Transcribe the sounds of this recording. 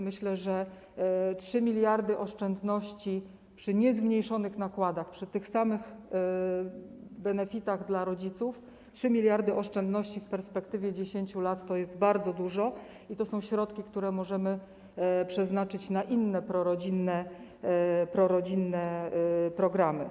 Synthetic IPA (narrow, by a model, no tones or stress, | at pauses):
mɘɕlɛʐɛ | tʂɘmʲilʲjaɾd̪ɘʔɔʂt͡ʂɛnd̪nɔɕt͡ɕi | pʂɘɲɛzmɲejʂɔnɘxnakwad̪axpʂɘt̪ɘxsamɘɣ | bɛnɛfʲit̪aɣd̪laɾɔd͡ʑit̪suf | tʂɘmʲilʲjaɾd̪ɘʔɔʂt͡ʂɛnd̪nɔɕt͡ɕifpɛɾspɛkt̪ɘvʲjɛd͡ʑeɕeɲt͡ɕulat̪ːɔjɛst̪baɾd̪zɔd̪uʐɔ | it̪ɔsɔ̃w̃ɕɾɔt̪kʲikt̪uɾɛmɔʐɛmɘ | pʂɛznat͡ʂɘt͡ɕnaʔinːɛpɾɔɾɔd͡ʑinːɛ | pɾɔɾɔd͡ʑinːɛpɾɔɡɾamɘ̰